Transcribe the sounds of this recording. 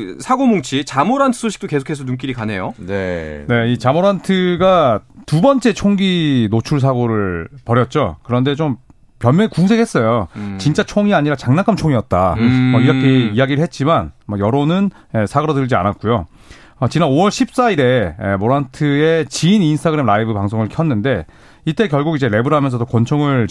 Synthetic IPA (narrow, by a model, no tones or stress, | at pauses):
sʰaɡomoŋt͡ɕʰit͡ɕamoɾantʰɯ̥sʰoɕʰi̥k̚t͈oke̞sʰokʰɦe̞sʰok̚numk̬͈iɾikane̞jonne̞it͡ɕamoɾantʰɯɡatubʌnt͡ɕ͈e̞t͡ɕʰoŋɡinot͡ɕʰuɭs̬ʰaɡoɾɯɭpʌɾjʌt̚t͡ɕ͈okɯɾʌnde̞t͡ɕom | pjʌɭmjʌŋikuŋs̬ʰekʰhe̞s͈ʌjot͡ɕint͡ɕ͈at͡ɕʰoŋiaɲiɾat͡ɕaŋnakʰamt͡ɕʰoŋijʌt̚t͈a̰ʌiɾʌkʰe̞ijaɡiɾɯɭɦe̞t̚t͡ɕ͈imanmʌjʌɾonɯn | esʰaɡʌɾodɯɭd͡ʑia̰nat̚k͈ujo | ʌt͡ɕinanowʌɭɕʰip̚s͈aiɾe̞ḛmoɾantʰɯe̞t͡ɕiːninsʰtʰaɡɯɾe̞mɾaibɯpaŋsʰoŋɯɭkʰjʌnːɯnde̞ | it͈e̞kjʌɭɡuɡid͡ʑe̞ɾe̞bɯɾɦamjʌnsʰʌdokwʌnt͡ɕʰoŋɯɭ